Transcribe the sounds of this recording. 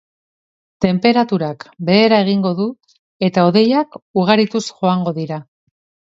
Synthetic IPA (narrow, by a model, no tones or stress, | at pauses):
t̪e̞mpe̞ɾat̪uɾakbe̞ːɾae̞ɣ̞iŋɡo̞ðu | e̞t̪ao̞ðe̞jakuɣ̞aɾit̪usʝo̞aŋɡo̞ðiɾa